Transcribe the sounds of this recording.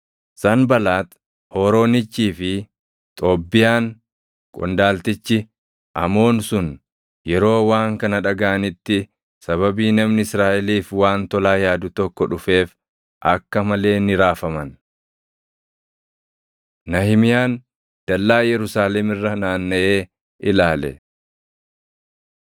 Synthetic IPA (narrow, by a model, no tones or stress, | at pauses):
sɐnbɐlaːt̪ | ho̞ːɾo̞ːnɪt͡ʃːiːfɪ | t̪ʼo̞ːbːɪjaːn | kʼɔ̰nd̪aːlt̪ɪt͡ʃːɪ | ʔɐ̰mo̞ːnsʊn | jɛɾo̞ːwaːŋkɐnɐᶑɐɡaʔɐnɪt̪ːɪ | sɐβɐbiːnɐmnɪɪsɾaːʔɛliːfwaːnt̪ɔlaːjaːd̪ʊt̪ɔkːɔᶑʊfe̞ːf | ʔɐkːɐmɐle̞ːnɪɾaːfɐmɐn | nɐhɪmɪjaːn | d̪̥ɐlːaːjɛɾʊsaːlɛmɪrːɐnaːnːɐʔe̞ː | ʔɪlaːlɛ̰